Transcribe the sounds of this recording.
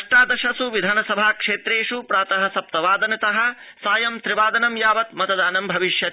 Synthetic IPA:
ʂʈaːd̪ɐʃɐsuʋid̪ʱaːnɐsɐbʱaːkʂeːt̪ɾeːʂupɾaːt̪ɐɦɐ̆sɐp̚t̪ɐʋaːd̪ɐnɐt̪ɐɦɐ̆ | saːjɐmt̪ɾiʋaːd̪ɐnɐmjaːʋɐt̪mɐt̪ɐd̪aːnɐmbʱɐʋiʃjɐ

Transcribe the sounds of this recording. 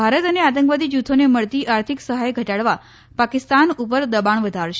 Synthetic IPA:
bʱaɾət̪əneat̪ə̃ŋkʋad̪id͡ʒut̪ʰoneməɭt̪iʔaɾt̪ʰiksəɦajɡʱəʈaɽʋa | pakɪst̪anupəɾd̪əbaɳʋəd̪ʱaɾʃ

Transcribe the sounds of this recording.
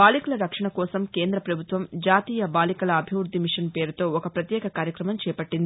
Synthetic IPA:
baːlikɐlɐɾɐkʂɐɳɐkɔːsɐmke̞ːnd̪ɾɐpɾɐbʱut̪ʋɐmd͡ʒaːt̪iːjɐbaːlikɐlɐːbʱiʋɾud̪ʱːimiʂɐnpe̞ːɾut̪o̞ːɔkɐpɾɐt̪jɛːkɐkaːɾjɐkɾɐmɐmt͡ʃɛːpɐʈːind̪i

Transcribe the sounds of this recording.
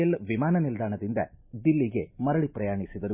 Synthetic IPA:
ɐlʋimaːnɐnild̪aːɳɐd̪ind̪ɐ̰d̪ilːiɡe̞mɐɾɐɭipɾɐjaːɳisid̪ɐɾu

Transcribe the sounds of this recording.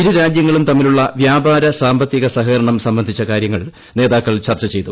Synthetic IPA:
iɾuɾaːd͡ʑjɐŋːɐɭumt̪ɐmːiluɭːɐʋjaːbaːɾɐsaːmbɐt̪ːjiɣɐsɐɦɐɐɾɐɳɐmsɐmbɐnd̪ʱit͡ɕːɐkaːɾjɐŋːɐɭ | ne̞ːðaːkːɐɭt͡ɕɐrt͡ɕːɐt͡ɕe̞jt̪u

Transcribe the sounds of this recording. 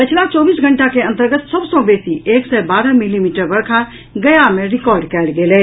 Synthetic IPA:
pət͡ʃʰlat͡ʃɔbisɡʱəɳʈakeə̃nt̪əɾɡət̪səbsə̃besiʔeksɛbaɾəmilimiʈəɾbəɽkʰa | ɡəjameɾikɔɾɖkɛlɡelɛ

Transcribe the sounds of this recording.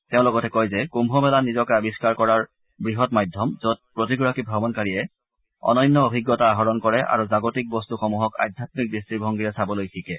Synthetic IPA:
teʊ̃lɔɡɔtɛkojzɛkumbʱɔmɛlanizɔkabiskaɹkɔɹaɹ | bɹiɦɔtmajdʱjɔmzot̚pɹotiɡɔɹakibʱɔbɔnkaɹijɛ | ɔ̰nɔjnːɔobʱiɡjɔtaːɦɔɹɔnkɔɹɛʔa̰ɹuzaɡotik̚bɔstuxɔmuɦɔka̰jdʱjatmik̚distɹibʱɔŋɡijɛsabɔlojxʰikɛ

